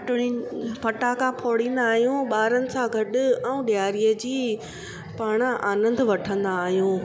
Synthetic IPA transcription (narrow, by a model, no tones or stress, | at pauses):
ʈʊɽipɐʈaːkapʰoːɽĩːnd̪aːɦijũɓaːɾənɪ̆sãɡʱɐɗʊ̆ɛũɗɪjaːɾijəd͡ʑiː | paːɽ̃əʔaːnə̃nd̪ʋɐʈʰə̃nd̪aːɦijũː